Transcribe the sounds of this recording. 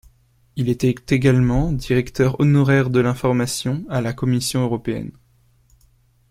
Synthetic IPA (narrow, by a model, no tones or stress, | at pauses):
ilɛt̪ɛt̪eɡalmɑ̃d̪iʁɛkt̪œʁɔnɔʁɛʁd̪əlɛ̃fɔʁmasjɔ̃alakɔmisjɔ̃øʁɔpeɛ̰n